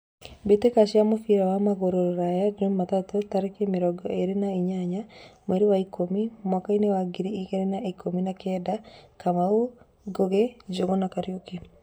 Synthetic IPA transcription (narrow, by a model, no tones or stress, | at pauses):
betekaʃiamofiɾawamaɣoɾoɾɾajad͡ʒomːatatɔtaɾekemeɾɔɡɔeɾenaiɲaɲamwɛɾiwaikomimwakainewaɡiɾiiɣeɾenaikominakɛdakamao | ɡoɣɛd͡ʒoɣɔnakaɾjokinu